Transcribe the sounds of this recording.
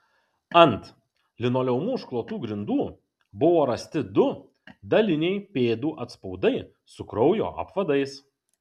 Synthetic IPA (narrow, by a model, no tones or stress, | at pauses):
ɐnt̪ | lʲɪnoːlʲɛʊmuːʃklˠoːt̪uːɡɾʲɪnd̪uː | bʊʋoːɾɐsʲt̪ʲɪd̪ʊ | d̪ɐlʲɪnʲɛɪpʲeːd̪uːʔɐt̪spɒʊd̪ɐɪ | sʊkɾɔʊjo̰ːʔɐ̰pʋɐd̪ɐɪs